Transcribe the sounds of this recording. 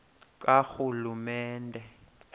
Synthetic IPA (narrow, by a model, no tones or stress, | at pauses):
k̬axulumɛːndʱɛ